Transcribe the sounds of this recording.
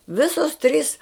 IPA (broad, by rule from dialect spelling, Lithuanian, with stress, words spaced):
ˈʋʲɪsoːs tʲrʲiːs